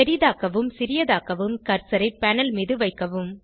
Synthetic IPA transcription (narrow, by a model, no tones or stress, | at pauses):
ɛɾɪðaːkɐʋɯmsɪɾɪjɐðaːkɐʋɯmkɐɾsɐɾɐɪpːɐnɐlmiːðɯʋɐɪkːɐʋɯm